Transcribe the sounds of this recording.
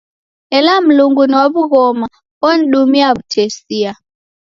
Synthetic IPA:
ɛlam̩luŋɡuniwaβuɣɔma | ɔn̩ɗumiaβutʰɛsia

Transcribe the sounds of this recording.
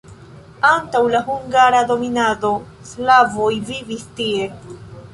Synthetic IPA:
antawlaɦuŋɡaɾado̞minado̞ | slavo̞jvivistie̞

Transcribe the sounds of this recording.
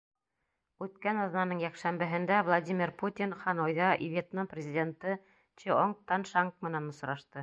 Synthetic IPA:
ʉt̪kænɑðnɑnɤɴjækʃæmbɘ̆ɦɘ̆nd̪ævlˠad̪ʲimʲirput̪ʲinχɑnojðɑʔivʲet̪nɤprʲɪzʲidʲent̪ɤ | t͡ʃioŋt̪ɑnʃɑŋk̚mɘ̆nænŏsɾɑʃt̪ɤ

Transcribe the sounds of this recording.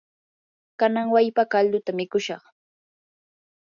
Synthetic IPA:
kanaŋwajpakald̪ʊt̪amɪkʊʃɑ̰χ

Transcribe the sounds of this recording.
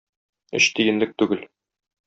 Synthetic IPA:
ɘ̰ɕt̪ijɘ̆nlɘk̚t̪ʉɡɘl

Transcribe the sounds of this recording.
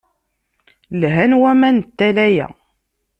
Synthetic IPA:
lɦænwæmænt̪ːælæjæ̰

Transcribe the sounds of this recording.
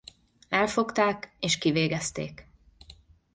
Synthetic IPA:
ɛlfo̞kt̪aːkeːʃkiveːɡɛst̪ḛːk

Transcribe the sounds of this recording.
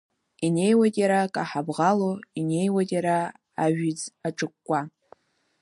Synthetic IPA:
inejwatʼjaɾakʼaħabʁaloine̞jwadʼjaɾa | aʒᶣid͡zaʈ͡ʂʼɨkʷʼːa

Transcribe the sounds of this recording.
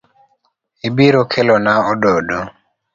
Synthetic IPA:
ebiɾokʰelɔnaɔdɔdo

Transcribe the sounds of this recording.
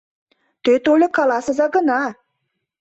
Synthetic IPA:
t̪øt̪olʲekalasəzaɡəna

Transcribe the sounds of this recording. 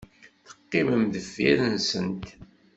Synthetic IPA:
θə̥qːɪməmðəfːḭɾənsənt̪

